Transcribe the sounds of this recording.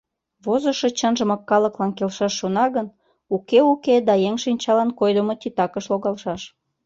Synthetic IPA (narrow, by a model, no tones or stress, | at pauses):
βozəʃet͡ɕənʒə̆məkːɑləklɑnkelʃɑʃːonɑɣən | ukeuked̪ɑjeŋʃinʲt͡ɕɑlɑnkojd̪əmot̪it̪ɑkəʃloɣɑlʃɑʃ